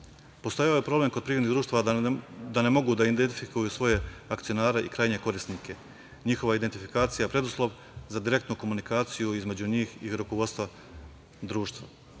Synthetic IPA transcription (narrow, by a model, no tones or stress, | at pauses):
post̪ojaojepɾo̞ble̞mkod̪̚pɾivɾenid̪ɾuːʃt̪aʋad̪anemo̞ɡud̪aind̪ent̪ifikujusʋo̞je̞akt̪ijo̞naːɾe̞ʔikɾaːjɲe̞ko̞ɾisnike̞ | ɲixo̞ʋaid̪ent̪ifi̥kaːt̪sijapɾe̞d̪uslˠo̞ʋ | zad̪iɾe̞k̚t̪nuko̞munikaːt̪sijuizme̞d͡ʑuɲiːxiɾuko̞ʋo̞d̪st̪vʋa | d̪ɾuːʃt̪ʋa̰